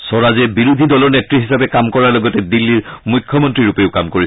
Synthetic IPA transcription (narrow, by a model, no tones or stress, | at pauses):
sɔɹazɛbiɹudʱidɔlɔɹnetɹiɦisapɛkamkɔɹaɹlɔɡɔtɛdilːiɹmujkʰːɔmɔntɹiɹupeʊkamkoɹis